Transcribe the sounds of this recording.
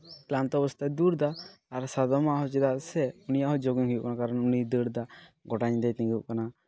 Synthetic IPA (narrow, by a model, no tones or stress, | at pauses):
klant̪ɔɔbɔst̪ʰad̪uɾd̪aːɾsad̪ɔmaɦɔt͡ʃɛd̪asɛunijaʔɦɔd͡ʒoɡiŋɦujuʔknakaɾɔnunid̪əɽd̪aɡɔʈaɲd̪ɛjt̪ĩŋɡuʔ̚kana